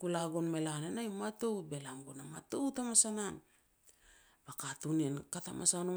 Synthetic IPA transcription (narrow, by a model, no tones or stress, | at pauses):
kulaɡonme̞lanenajmato̞wbe̞lamɡonamatowtamasanan | bakatunenkatamʔa̰san